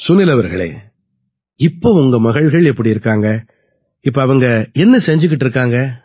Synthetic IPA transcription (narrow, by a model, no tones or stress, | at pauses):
sʊnːɪlɐʋɐɾɣɐɭḛː | ɪpːoːʊŋɡɐmɐɣɐɭɣɐɭɛpːɐɽiɪɾɯkːaːŋɡɐ | ɪpːoɐʋɐŋɡɐɛnːɐsɛɲd͡ʒɯk̬ːɪʈːɪɾɯkːaːŋɡɐ